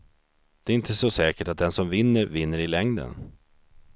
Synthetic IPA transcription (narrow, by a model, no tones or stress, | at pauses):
d̪̥ɛːɾɪnt̪ʰəsɔsɛːkəʈat̪̚d̪ɛnsɔmvɪnːəɾvɪnːəɾɪlɛŋd̪ə̰n